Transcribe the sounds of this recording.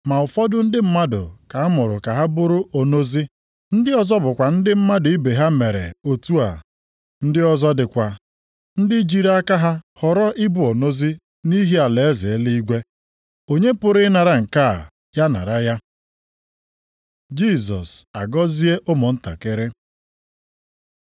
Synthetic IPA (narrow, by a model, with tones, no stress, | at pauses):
ma˨ʊ˨fɔ˦dʊ˦n̩˦dɪ˦m̩˦ma˦dʊ̰˨ka˨˦mʊ˨ɾʊ˨ka˨ɦa˦bʊ˦ɾʊ˦ʔo˨no˦zi˦ | n̩˦dɪ˦ɔ˦zɔ˦bʊ˨kʷa˨n̩˦dɪ˦m̩˦ma˦dʊ˨i˦be˨ɦa˦me˨ɾḛ˨o˨tu˦a̰˨ | n̩˦dɪ˦ɔ˦zɔ˦dɪ˨kʷa˨ | n̩˦dɪ˦d͡ʒi˦ɾa˦ka˦ɦa˦hɔ˨ɾɔ˦ʔɪ˦bʊ˨o˨no˦zi˦ | ni˦ɦi˦a˨le˨e˦zɪ˨˦li˦ɡʷe˦ | o˦ɲe˦pʊ˨ɾɪ˦na˨ɾa˨ŋ̩˨ka˦˨ | ja˦na̰˨ɾa˦ja˦ | d͡ʒi˦˨sɔ̰˨sa̰˨ɡɔ˦zi˦e˦ʔʊ˦mʊ˨n̩˦ta̰˨kɪ˦ɾɪ˦